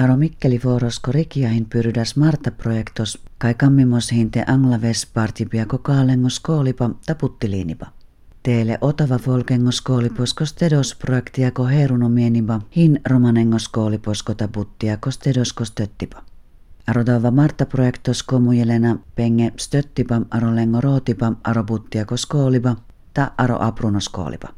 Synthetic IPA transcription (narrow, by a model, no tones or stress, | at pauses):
ɑɾomikːelifoːɾoskoɾikiɑhinpyrydæsmɑrt̪ːɑprojekt̪oskɑikɑmːimoshint̪eʔɑŋːlɑʋespɑrt̪ʲipijɑkokɑːleŋːoskoːlipɑt̪ɑput̪ːiliːnibɑ | t̪eːleʔot̪oʋɑfolkeŋːoskoːliposkost̪edosprojekt̪ijɑkoɦeːɾunomienibahinromɑneŋːoskoːliposkot̪ɑput̪ːijɑkost̪edoskost̪øt̪ːipɑ̥ | ɑɾod̪oʋːɑmɑrt̪ːɑprojekt̪oskomujelenapeŋːest̪øt̪ːipaʔɑɾoleŋːoɾot̪ipaʔɑɾoput̪ːijɑkoskoːliba | t̪ɑʔɑɾo̰ʔɑprunosko̰ːlḭpḁ